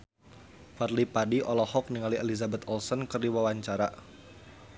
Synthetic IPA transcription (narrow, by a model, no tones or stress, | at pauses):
farlipadiʔɔlɔhɔk̚niŋalielizabɛt̪ɔlsɔnkərdiwawaɲt͡ʃaɾa